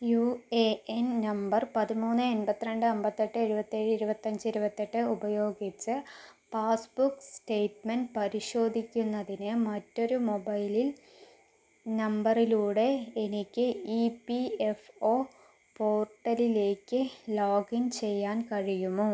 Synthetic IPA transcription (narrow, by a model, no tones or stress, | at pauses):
juːeennɐmbɐrpɐðimuːnːɨenbɐt̪ːinɐɳɖɨɐmbɐt̪ːeʈːɨeɻubɐt̪ːeːɻɨiɾubɐt̪ːɐɲd͡ʑɨiɾubɐt̪ːeʈːɨubɐjo̞ːɡit͡ɕːɨpaːsbuksʈe̞jʈmɐnpɐɾiɕo̞ːd̪ʱikʲːunːɐðinɨmɐtːo̞ɾumo̞bɐjlil | nɐmbɐriluːɽe̞ːnikʲːɨipiefoː | poːrʈːɐlile̞ːkːɨloːɡint͡ɕe̞jːaːnkɐɻijumoː